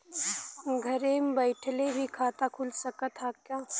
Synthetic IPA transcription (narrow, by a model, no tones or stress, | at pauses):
ɡʱɐɾẽmbəɪʈʰlebʱikʰaːt̪akʰʊlsɐkat̪ʰaːkjaː